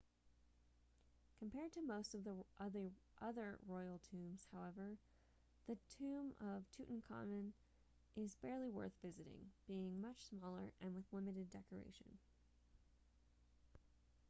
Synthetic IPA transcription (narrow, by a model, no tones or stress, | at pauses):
kʰɨ̃m̩pʰɛɹd̚tʰɨmoʊstʌvðəʔʌðə˞ʔʌðə̰˞ɹɔɪl̩ˠtʰʉ̃mz̥haʊɛvə˞ | ðɨtʰʉ̃mʌv̥tʰʉʔn̩kʰɑ̰mɨ̃n | ʔɪzbɛɹlˠiwɜ̰˞θvɪzɨɾɪ̰̃ŋb̥iɪ̃ŋmʌt͡ʃsmɔlˠə̰˞ʔɨ̃nwɨðlɪ̃mɨɾɨdɛkə˞ḛɪʃɨ̰̃n